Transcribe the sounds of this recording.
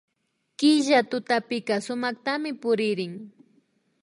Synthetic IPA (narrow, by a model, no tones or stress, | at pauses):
kɪʒat̪ʊt̪apɪkasʊmɑχt̪amɪpʊɾɪɾɪŋ